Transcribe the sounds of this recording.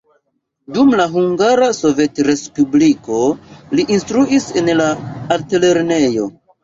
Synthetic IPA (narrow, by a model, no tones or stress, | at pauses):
dumlaɦuŋɡaɾaso̞ve̞tɾe̞spubliko̞liʔinstɾuise̞nlaːɾtele̞ɾne̞jo̞